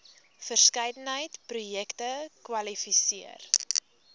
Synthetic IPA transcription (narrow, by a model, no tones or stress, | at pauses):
fərskəjdənɦəjtprujɛktəkwɐlifisiə̰r